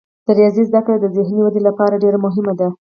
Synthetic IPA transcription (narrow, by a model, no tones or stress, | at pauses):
d̪̥əɾjɑzizd̪akɽed̪əzɪhniwad̪elapɑɾaɖeɾamʊɦɪmad̪a